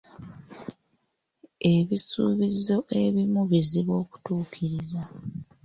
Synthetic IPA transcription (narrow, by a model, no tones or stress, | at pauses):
e̞βisṵːβizo̞ʔe̞βimuβiziβo̞ːku̥tuːkʰiɾiza